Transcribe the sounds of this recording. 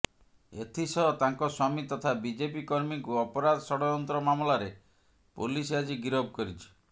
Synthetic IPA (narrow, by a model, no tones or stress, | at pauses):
et̪ʰisɔɔt̪aŋkɔswamit̪ɔt̪ʰabid͡ʒepikɔɾmikuɔpɔɾad̪ɔsɔɽɔɔnt̪ɾɔmamlaɾe | pulisad͡ʒiɡiɾɔb̚kɔɾit͡ʃʰi̥